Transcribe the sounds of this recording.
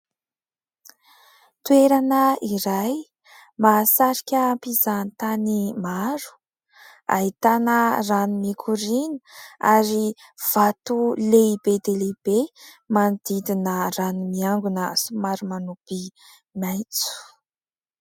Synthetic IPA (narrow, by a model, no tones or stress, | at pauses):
t̪ueɾanəiɾaj | masaɾikʲəːmpizanit̪animaɾu̥ | a̰ɦit̪anəranimikʰuɾiniaɾiv̥at̪uleibed̪eleb̥e | mand̪̥id̪inəranumiaŋɡunəsumaɾumanupi | majt͡su̥